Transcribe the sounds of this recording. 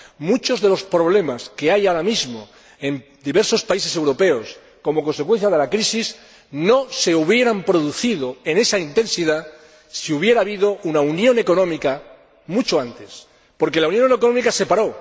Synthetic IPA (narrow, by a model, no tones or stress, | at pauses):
mut͡ʃo̞zðe̞lo̞spɾo̞β̞le̞maske̞ajaoɾamizmo | e̞n | d̪iβe̞ɾso̞spaise̞se̞wɾo̞pe̞os | ko̞mo̞konsekwe̞n̟θjað̞e̞lakɾisis | no̞se̞uβ̞je̞ɾampɾo̞ðuθið̞oe̞ne̞saint̪e̞nsiða | siuβje̞ɾaːβiðo̞ʔunaunjõ̞ne̞ko̞nõ̞mika | mut͡ʃoant̪es | po̞ɾke̞launjõ̞nekono̞mikase̞paɾo̞